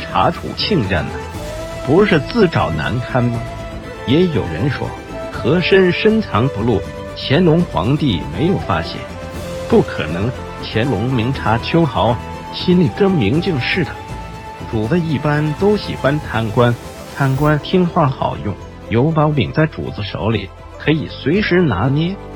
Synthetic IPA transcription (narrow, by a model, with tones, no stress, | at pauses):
ʈ͡ʂʰa̰˧˥ʈ͡ʂʰṵ˨˩t͡ɕʰi˥˧ŋɻə̰˥˩nd̪ə˩ | pu˧˥ʂɻ̩˥˧t͡sɹ̩˥˩ʈ͡ʂɑ˨˩ʊna̰˧˥nkʰa˥nbə˨ | jɛ˧˥jo˨˩ʊɻə̰˧˥nʂwɔ̰˥ | xɤ˧˥ʂə˥nʂə˥nʈ͡ʂʰɑ˧˥ŋpu˧˥lu˥˩ | t͡ɕʰjɛ˧˥nlʊ˧˥ŋxwɑ̰˧˥ŋt̪i˥˩me˧˥ɪjo˨˩ʊfa̰˥ɕjɛ̰˨˩˦n | pu˥˩kʰɤ̰˨˩nɤ˧˥ŋ | t͡ɕʰjɛ˧˥nlʊ˧˥ŋmi˧˥ŋʈ͡ʂʰa˧˥t͡ɕʰjo˥ʊxɑ˧˥ʊ | ɕi˥nli˨˩kɤ˥˩ŋmi˧˥ŋt͡ɕi˥˧ŋʂɻ̩˥˩d̪ə˩ | ʈ͡ʂu˨˩d̪ə˧i˥˩pa˥nt̪o˥ʊɕḭ˨˩xwa˥nt̪ʰa˥nkwa˥n | t̪ʰa˥˩nkwa˥nt̪ʰi˥ŋxwa˥˩xɑ̰˨˩ʊjʊ˥˩ŋ | jo˧˥ʊpɑ˧˥pḭ˨˩ŋt͡sa˥˩ɪʈ͡ʂṵ˨˩t͡sɹ̩˧ʂo̰˧˥ʊlḭ˨˩˦ | kʰɤ˧˥i˨˩swe˧˥ɪʂɻ̩˧˥na˧˥njɛ˥